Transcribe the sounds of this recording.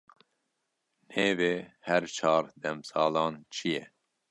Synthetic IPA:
neːveːhɛɾt͡ʃʰɑːɾd̪ɛmsɑːlɑːnt͡ʃʰijɛ

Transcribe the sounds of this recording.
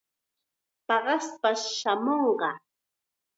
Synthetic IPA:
pɑɢɑspaʃamoɴɢɑ

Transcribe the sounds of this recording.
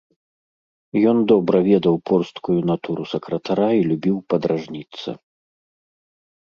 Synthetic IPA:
jɔnd̪ɔbɾɐvʲɛd̪ɐwpɔrst̪kujun̪at̪uɾusɐkɾɐt̪aɾailʲubʲiwpɐd̪ɾaʐnʲit̪sɐ̰

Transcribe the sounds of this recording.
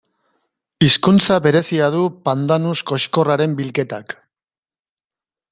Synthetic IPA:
iskunt͡saβe̞ɾe̞siað̞upand̪anusko̞ʃko̞raɾe̞mbilke̞t̪ak

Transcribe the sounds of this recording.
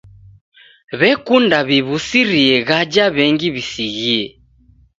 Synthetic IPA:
βɛkundaβiβusiɾiɛɣad͡ʒaβɛŋɡiβisiɣiɛ

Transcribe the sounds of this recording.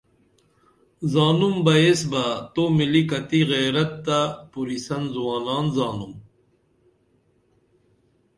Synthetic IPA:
zaːnumbɐjesbat̪omilikɐt̪iɣeːɾɐt̪ːapuɾisɐnzuwaːnaːnzaːnum

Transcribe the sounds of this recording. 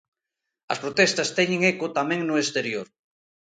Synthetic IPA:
ɐ̰spɾot̪ɛst̪ɐst̪ɛɲẽŋekʊt̪amɛ̃ŋnʊest̪eɾjoɾ

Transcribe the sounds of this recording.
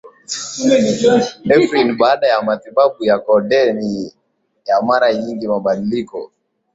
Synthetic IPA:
ɛfɾinɓaːɗajamatiɓaɓujakɔɗɛni | jamaɾaɲiŋɡimaɓaɗilikɔ̰

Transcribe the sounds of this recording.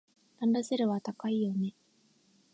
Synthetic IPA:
ãnd̪aseɾɯ̟βat̪akaijo̞ne̞

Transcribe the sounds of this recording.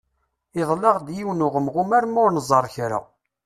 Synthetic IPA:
ɪðˤlɑʁd̪jiwnʊʁəmʁumæɾmʊɾnəzˤɑɾˤçɾa̰

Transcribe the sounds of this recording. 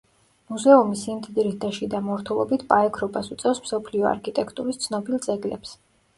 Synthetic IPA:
muzɛumisimd̪id̪ɾid̪aʃid̪amɔɾt̪ʰulˠɔbit̪ʰpʼaɛkʰɾɔbasut̪sʼɛfsmsɔpʰliɔa̰ɾkʰit̪ʼɛkʰt̪ʼuɾist̪sʰnɔbilˠd̪zɛɡlɛps

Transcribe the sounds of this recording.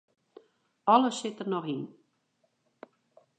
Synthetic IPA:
ɔləsɪtərnɔχin

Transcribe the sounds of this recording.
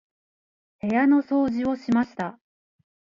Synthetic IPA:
he̞jano̞so̞ːʑio̞ɕimaɕi̥t̪a

